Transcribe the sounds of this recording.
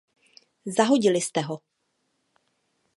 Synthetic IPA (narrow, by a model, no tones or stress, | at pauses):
zaɦo̞ɟɪlɪst̪ɛɦo